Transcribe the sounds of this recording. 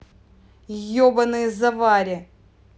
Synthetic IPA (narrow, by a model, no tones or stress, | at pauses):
jobɐnɨjzɐvaɾʲɪ